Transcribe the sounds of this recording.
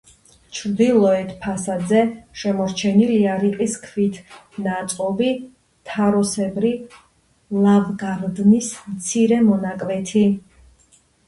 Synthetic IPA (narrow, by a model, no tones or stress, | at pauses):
t͡ʃʰɾd̪ilˠɔɛt̪ʰpʰasad̪zɛʃɛmɔɾt͡ʃʰɛniliaɾiqʼiskʰvit̪ʰ | nat̪sʼqɔvi | t̪ʰaɾɔsɛbɾi | lˠavɡaɾd̪nismt̪sʰiɾɛmɔnakʼvɛt̪ʰi